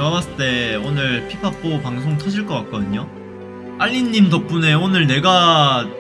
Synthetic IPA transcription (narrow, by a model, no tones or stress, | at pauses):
amas͈ɯt͈e̞onɯɭpʰipʰap͈ʰopaŋsʰoŋtʰʌd͡ʑiɭk͈ʌk͈ak͈̚ʌdɯɲo | aʎːiɲːimdʌk̚p͈une̞onɯɭne̞ɡa